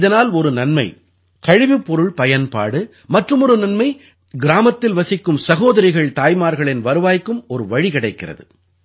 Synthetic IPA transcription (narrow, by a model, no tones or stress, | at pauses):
ɪðɐnaːlɔɾɯnɐnmɐɪ | kɐɻɪʋɪpːɔɾɯɭpɐjɐnpa̰ːɽɯ | mɐʈrɯmɔɾɯnɐnmɐɪ | ɡɪɾaːmɐt̪ːɪlʋɐsɪkːɯmsɐɣoːðɐɾɪɣɐɭt̪aːjmaːɾɣɐɭɪnʋɐɾɯʋaːjkːɯmɔɾɯʋɐɻikɪɽɐɪkːɪrɐ̰ðɯ